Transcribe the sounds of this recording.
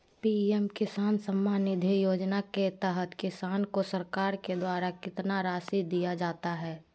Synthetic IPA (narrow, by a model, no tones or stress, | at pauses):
piːɛmkɪsaːnsəmːaːnɪd̪ʱijoːd͡ʒnaket̪əɦət̪kɪsaːnkosəɾkaːɾked̪waːɾakɪt̪naɾaːsid̪ijad͡ʒaːt̪aɦɛː